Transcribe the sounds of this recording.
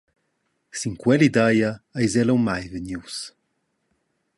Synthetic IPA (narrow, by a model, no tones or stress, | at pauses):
siŋkwɛlid̪ajaajzɛlowmajvəɲjus